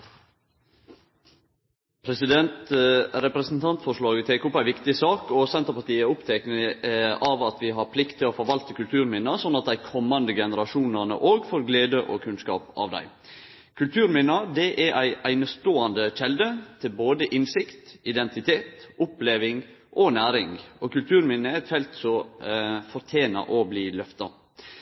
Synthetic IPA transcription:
pʰɾɛsɪd̪ɛnt̪ɾɛpɾɛsn̩t̪ʰɑnt̪fɔʂɭɑːɡət̪ʰeːkɔpːæɪʋɪkt̪ɪsɑːkɔsɛnt̪əɾpɑt̪iːəʊpt̪ʰɛknəɑʋɑt̪ʋɪɦɑɾpʰlɪkt̪ʰːɪloːfɔɾʋɑlt̪əkʉlt̪ʰʉːɾmɪnəsɔnːɑt̪̚d̪æɪkʰɔmːɑnd̪əɡɛnəɾɑʃuːnənə̰ʔoːɡfoɾɡleːd̪əʔo̰kʰʉnskɑ̰ːpɑ̰ːʋd̪æ̰ɪ | kʰʉlt̪ʰʉːɾmɪnɑd̪ɛʔɛɾʔæɪæɪnəst̪oːɑnd̪əʃɛld̪ət̪ʰɪlboːd̪əʔɪnsɪkt̪ɪd̪ɛnt̪ɪt̪ʰeːt̪ʊpleːʋɪŋ | ʔɔnæːɾɪŋɔkʉlt̪ʰʉːɾmɪnːəɛt̪fɛlt̪sɔ | fɔɾt̪ʰeːnɑ̰ʔɔbliːlœft̪ɑ

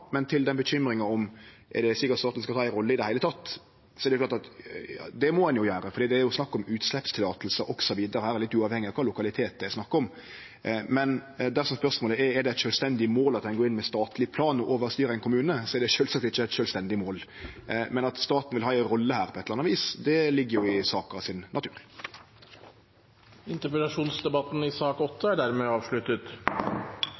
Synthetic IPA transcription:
mɛnt̪ʰɪld̪ɛnbəɕʏmɾɪŋɑɔm | ʔɛ̰ɖ̪ɛsɪkːət̪st̪ɑːt̪n̩skɑlʰɑːɛɾɔlːəɪd̪ɛhæɪlət̪ʰɑt̪ː | sɔɛɾdɛjʊklɑːt̪ɑt̪jɑ̰ːd̪ɛmɔɛnjʊjøːɾəfɔɾɖ̪iːd̪ɛæɾjʊsnɑkːɔmʉːt̪slɛpst̪ʰɪlɑːt̪l̩səʔɔksɔʋiːd̪əɾəhæːɾɛɾlɪt̪ːʉːɑːʋhɛŋːɪɑkʰɑːlʊkɑlɪt̪ʰeːt̪̚d̪ɛæɪsnɑkːɔm | mɛnd̪æɾsɔmspœʁʂmoːləɛɛɾd̪ɛt̪ʃœːlst̪ɛnd̪ɪmoːlɑt̪̚d̪ɛnɡoːɪnːmɛst̪ɑːt̪ʰlɪpʰlɑːnɔʔoːʋəɾst̪yːɾəæɪnkʰʊmʉːnəsɔɛɾd̪ɛʃøːlsɑkt̪ɪçːəæɛt̪ʃœːlst̪ɛnd̪ɪmoːlmɛnɑt̪st̪ɑːt̪n̩ʋɪlɦɑːɛɾɔlːəhæːɾpʰɔɛt̪ʰːlɑnɑʋiːsd̪ɛlɪɡːəjʊɪsɑːkəʁɑʋsɪnːʔɑt̪ʰʉːɾ | ɪnt̪əpɾɛlɑʂuːnsd̪ɛbɑt̪n̩ɪsɑːkɔt̪ʰːəæɖæɾmeɑːʋʂɭʉt̪ət̪

